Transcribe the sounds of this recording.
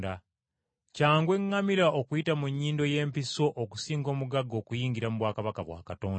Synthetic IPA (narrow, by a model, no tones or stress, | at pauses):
da | caːŋɡwe̞ŋːamiɾaʔokujitamuɲːiːndo̞je̞ːmpiso̞ʔoku̥siːŋɡo̞ːmuɡaɡːo̞ːkujiːŋɡiɾamuβwaːkaβakaβwa̰ːkatoːn